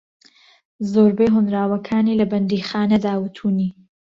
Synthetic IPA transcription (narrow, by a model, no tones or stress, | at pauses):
zoːɾbeːɦʊnɾaːwɐkʰaːniːlɐbɐnd̪iːxaːnɐd̪aːwɨt̪ʰuːniː